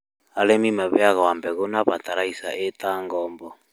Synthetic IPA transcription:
alɛmimaβɛaɣawambɛɣɔnaβataɾaisa̰ʔɛtaŋɡɔmbɔ

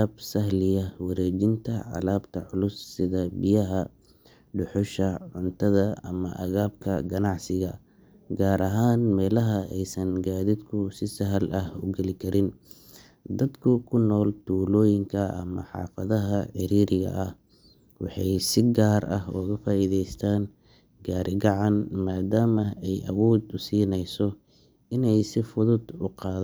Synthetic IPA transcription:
bsɐɦlɪjɐwɐɾɛːd͡ʒɪnt̪ʰɐʕɑ̰laːbt̪ʰɐʕʊlʊsːɪðɐbɪjɐɦɐ | ɖʊħʊʃɐʕʊnt̪ʰɐðɐɐmɐ̰ʔɐɣaːb̚kʰɐ̰ɡɐnɑʕsɪɣɐ | ɡaːɾʔɐɦaːnmɛːlɐɦɐɛjsɐnɡaːðɪd̪kʰʊsɪsɐɦlɐhʊɡɛlɪkʰɐɾɪn | d̪ɐd̪kʰʊkʰʊnːɔːlt̪ʰuːlɔːjɪŋkʰɐʔɐ̰mɐħɑ̰ːfɐðɐɦɐħɪɾiːɾɪɣɐ̰ʔɐh | wɑ̰ħɑjsɪɡaːrɐhɔːɣɐfaːiðɛjst̪ʰaːn | ɡaːɾʔɪɡɑʕɑnmaːd̪aːmɐɛjʔɐ̰wɔːd̪ʊsiːnɛjsɔ | ɪnɛjsɪfʊðʊd̪ʊqɑːð

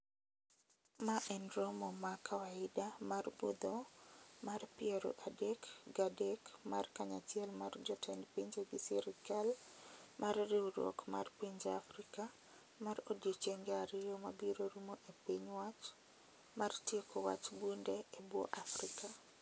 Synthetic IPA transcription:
maʔɛnɾɔmɔmakʰawaɪdamarbṵd̪ɔmarpɪɛɾo̰ʔadekɡadekmarkaɲat͡ʃjɛlmard͡ʒɔtʰɛnpiɲd͡ʒeɡɪsiɾɪkalmʔarrɪɾwɔ̰kma̰rpiɲd͡ʒeafɾɪka | maɾodit͡ʃeŋɡɛaɾɪɾɔmabiɾoɾumoʔepiɲwat͡ʃ | martjekɔwa̰t͡ʃbundɛebwɔ̰ʔafɾɪka

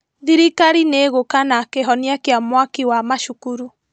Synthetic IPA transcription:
ðiɾikaɾineɣokanakeɦɔniakeamwakiwamaʃukuɾu

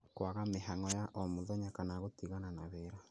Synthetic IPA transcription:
kwaɣameɦaŋɔjaʔɔmoðɔɲakanaɣotiɣananaβeɾa

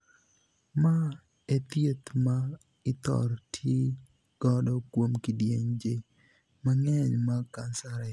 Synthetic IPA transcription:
ma | et̪jet̪ma | ɪt̪ɔ̰ɾtʰje | ɡ̥ɔdɔkwomkidjeɲd͡ʒe | maŋɛɲmakansaɾɛ

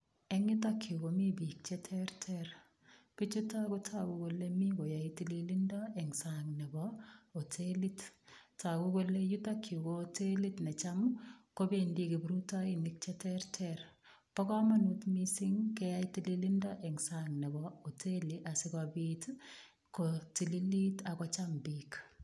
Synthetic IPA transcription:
ɛŋɪtakʰːukomibik̚t͡ʃɛtʰɛɾtʰɛɾ | pit͡ʃutakutʰakukolemiɡojaitililindɔɛŋsaŋnɛbɔotʰelittaɡukolejutakʰːukotelitnet͡ʃamkobendikibɾutainik̚t͡ʃɛtɛrtʰɛɾ | pɔkɔmanutmisiŋkɛjaitililindɔʔɛŋsaŋnɛbɔotʰeliʔasɪkɔbit | kotililitakɔt͡ʃambik

